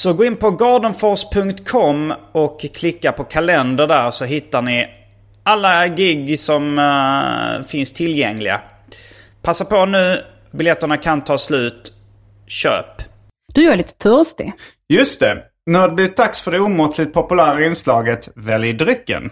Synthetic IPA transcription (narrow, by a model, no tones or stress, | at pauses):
sɔɡoːɪnpɔɡɑːɖənfɔʂpʰɵŋkt̪kʰɔmːɔkʰːlɪkːapʰɔkʰalɛnd̪əɖæːɾsɔɦɪt̪ːaɳɪ | alːaɡɪɡːsɔm | fɪnst̪ʰɪljɛŋlɪɡa̰ | pʰasːapɔnʉ̟ː | bɪljɛt̪ːəɳakʰant̪ʰɑːslʉ̟ːt̪ | ɕø̰ːp | d̪̥ɵjœːɭiːt̪ə̥t̪ʰœɾst̪ɪ̰ | jɵst̪ɛ | næɖ̪ɛblɪt̪ʰaksfœɖɛuːmɔt̪ʰlɪt̪̚pʰɔpɵlæːɾaɪnslɑːɡət̪vɛlɪd̪ɾʏkːə̰n